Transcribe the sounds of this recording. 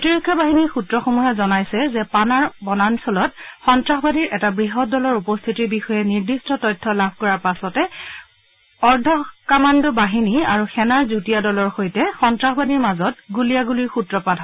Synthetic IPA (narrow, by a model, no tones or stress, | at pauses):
kotiɹekʰːjɔbaɦiniɹxutɹɔxomujazɔnajsɛzɛpanaɹbɔnansɔlɔt̚xɔntɹaxɔbadiɹʔɛtabɹiɦɔt̚dɔlɔɹupɔst̪ʰitibixɔjɛniɹdistɔtɔjtʰːɔlabʱkɔɹaɹpasɔtɛ | ɔɹdʱɔkamandɔbaɦinia̰ɹuxɛnaɹzutijadɔlɔɹxojtɛxɔntɹaxɔbadiɹmazɔt̚ɡulijaɡuliɹxutɹɔpadʱɔ